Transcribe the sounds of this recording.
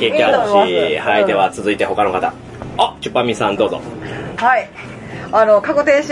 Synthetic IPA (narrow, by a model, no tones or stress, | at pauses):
keːkʲaɕihaid̪e̞βat͡sɨzɨit̪e̞ho̞kano̞kat̪a | ot͡ɕɨpːamʲisãnd̪o̞ːzo̰hai | ano̞kaɡot̪eːɕi